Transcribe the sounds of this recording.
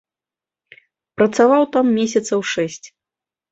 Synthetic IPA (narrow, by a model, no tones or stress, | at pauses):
pɾɐt̪savawt̪amːʲesʲɐt̪sɐwʂɛsʲt͡sʲ